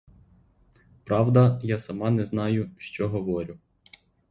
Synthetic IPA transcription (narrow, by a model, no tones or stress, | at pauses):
pɾɑwd̪ɐjɑsɐmɑnɛznɑjʊʃt͡ʃɔɦɔʋɔɾʲʊ